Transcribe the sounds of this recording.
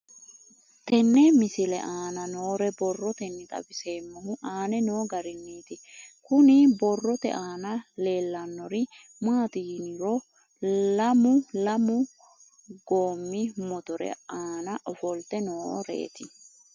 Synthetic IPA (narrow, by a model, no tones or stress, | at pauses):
t̪ɛnːɛmɪsɪlɛ̰ʔaːnɐnoːɾɛbɔrːɔt̪ɛnːɪt̪ʼɐ̰bɪse̞ːmːɐhʊʔaːnɛnoːɡɐɾɪnːiːt̪ɪkʊnɪbɔrːɔt̪ɛ̰ʔaːnɐle̞ːlːɐnːɔɾɪ | maːt̪ɪɡnɪɾɔ | lɐmʊlɐmʊ | ɡoːmːɪmɔt̪ɔɾɛ̰aːnɐʔɔfɔlt̪ɛnoːɾḛːt̪ɪ